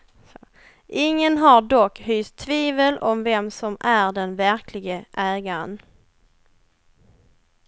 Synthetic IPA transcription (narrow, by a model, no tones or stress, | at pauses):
s | ʔɪŋːənɦaɖɔkːhʏːst̪ʰːviːvəlʔɔmvɛmsɔmæɖɛnvæɾkʰlɪɡəʔɛːɡan